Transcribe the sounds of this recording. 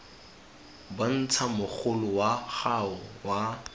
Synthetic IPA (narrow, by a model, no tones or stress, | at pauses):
ban̩t͡sʰamʊk͡xʰʊlʊwaχaʊwa